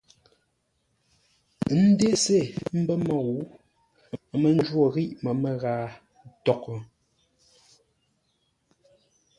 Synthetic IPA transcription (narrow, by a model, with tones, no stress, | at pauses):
n̩˦de˦se˦˨m̩˦bə˦ma˨ɣu˨˦ | mə˨n˦d͡ʒwo˦˨ɣi˦ʔmə˨mə˨ɣaː˨ | tɔ˨kə˨